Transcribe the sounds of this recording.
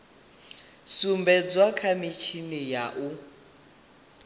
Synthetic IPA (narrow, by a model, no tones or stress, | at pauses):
sumbɛd͡zwakʰamit͡ʃʰinijaʔu